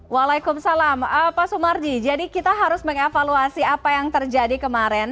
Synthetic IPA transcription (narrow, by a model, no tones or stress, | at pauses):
walajkʊmsalaməpasumard͡ʒid͡ʒadikit̪aɦaɾʊsməŋefaluasiapajaŋt̪ərd͡ʒadikəmaɾɛn